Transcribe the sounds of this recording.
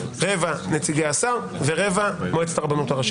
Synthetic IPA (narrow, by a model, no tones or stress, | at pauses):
ʁevanet͡siɡeasaʁ | ve̞ʁe̞vamoet͡staʁabanotaʁaʃ